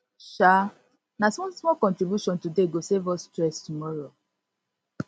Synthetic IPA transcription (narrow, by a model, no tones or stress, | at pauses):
ʃa | nasmɔsmɔkɔ̃ntɾibjuʃɔ̃ntudeɡosevɔstɾɛstumɔɾo